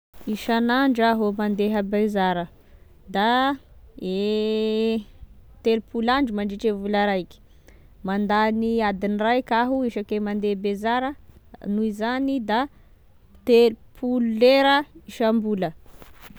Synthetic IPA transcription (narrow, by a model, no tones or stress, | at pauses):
iʃanaɳɖ͡ʐəɦomand̪eɦəbezaɾə | d̪a | e | t̪elupulaɳɖ͡ʐimaɳɖ͡ʐiʈ͡ʂevulaɾajki̥ | mand̪aniad̪inirajkʲaɦuiʃakemand̪ebezaɾənuizanid̪a | t̪elpʰululeɾəiʃambulə